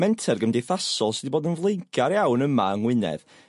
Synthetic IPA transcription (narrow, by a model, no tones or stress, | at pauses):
mɛntʰɛrɡəmdeθasɔlˠsidiboːdənvlˠejŋkʰaɾjawnəma̰əŋwɪnɛ̰ð